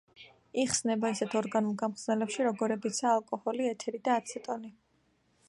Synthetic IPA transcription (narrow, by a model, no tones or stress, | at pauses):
iχsnɛbaisɛt̪ʰɔɾɡanulˠɡamχznɛlɛpʃiɾɔɡɔɾɛbit̪sʰaːlˠkʼɔhɔliɛt̪ʰɛɾid̪aːt̪sʰɛt̪ʼɔni